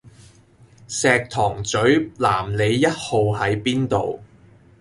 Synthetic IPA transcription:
sɛː˨k̚t̪ʰɔː˨˩ŋt͡sɵ˨˥ɥla̰ː˨˩mle˨˧jːɐ˥t̚ho˨˧wɦɐ˨˥jpiː˥nt̪o̰˨w

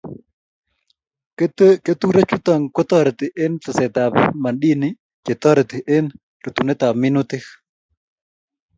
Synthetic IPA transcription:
ke˦t̪u˦ɾe˦t͡ʃʊ˦t̪ɔ˨ŋkɔ˦t̪ɔ˦ɾɛ˨t̪ɪ˨ʔe˦nt̪a˨sɛ˨t̪a˨pma˨nɗi˦nɪ˦ | t͡ʃe˨t̪ɔ˦ɾɛ˨t̪ɪ˨ʔe˦n | ro˨t̪u˨nɛ˦t̪a˨b̚mɪ˦nʊ˦t̪ɪ˦x

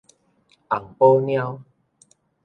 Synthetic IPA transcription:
ʔa˨˩ŋpo˦nj̃ã˦w

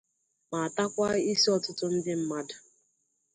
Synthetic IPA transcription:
ma˨a˨ta˦kʷa˦i˦si˦ɔ˦tʊ˦tʊ˦n̩˦dɪ˦m̩˦ma˦dḁ˨

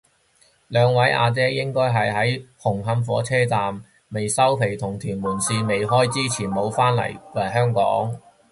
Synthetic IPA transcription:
lœː˨˧ŋwɐ˨˥jʔa̰ː˨˧t͡sɛː˥jɪ˥ŋkɔː˥jɦɐ˨jɦɐ˨˥jhʊ˨˩ŋɦɐ˨˥mfɔ̰ː˨˥t͡sʰɛː˥t͡saː˨mː | e˨jsɐ˥wpʰe˨˩jt̪ʰʊ˨˩ŋt̪ʰyː˨˩nmuː˨˩nsiː˧me˨jɦɔː˥jt͡siː˥t͡sʰiː˨˩nmo˨˧˥wfaː˥nlɐ̰˨˩jwɐ˨˩jɦœː˥ŋkɔ̰ː˨˥ŋ

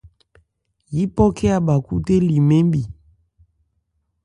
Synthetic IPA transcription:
ji˦pɔ˦kʰɛ˦a˨ba˨kṵ˦te˦li˨me˦mbi˨

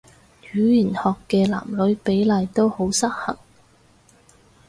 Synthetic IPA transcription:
t͡ʃyː˨˥jiː˨˩nhɔː˨kːɛː˧la̰ː˨˩mlɵ˨˥ɥpe˨˥jlɐː˨˧jt̪o˥who˨˥wsɐ˥k̚hɐ̰˨˩ŋ

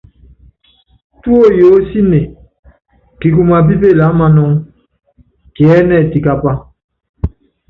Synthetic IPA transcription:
tu˦o˦˨jo˨˦si˦ne˨ | ki˨k̬u˨ma˨bi˦be˦˨la˨˦ma˦nɔ˦ŋ | ki˨ɛ˦nɛ˦˨ti˨ka˦pa˦

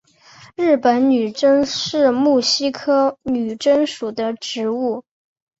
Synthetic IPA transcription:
ɻɻ̩˥˩pə˧˥nny˨˩ʈ͡ʂə˥ŋʂɻ̩˥˧mu˥˩ɕi˥kʰɤ˥ny˨˩ʈ͡ʂə˥ŋʂu˨˩d̪ə˦ʈ͡ʂɻ̩˧˥u˥˩

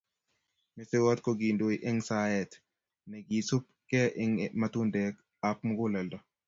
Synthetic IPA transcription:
mɪ˨sɪ˦wɔ˦t̪̚kɔɡi˨ndoiʔɪ˦ŋsaɛt | nɛ˨ɡi˨su˦p̚ | kɛ˦ʔɪŋmat̪u˦ndɛk | ap̚mɡʊ˦lɛ˨ldɔ

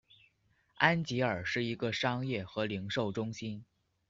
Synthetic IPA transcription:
a˥nt͡ɕi˧˥ə˞˨˩ʂɻ̩˥˩i˧˥ɡə˧ʂɑ˥ŋjɛ˥˩xɤ˧˥li˧˥ŋʂo˥˩ʊʈ͡ʂʊ˥ŋɕi˥n

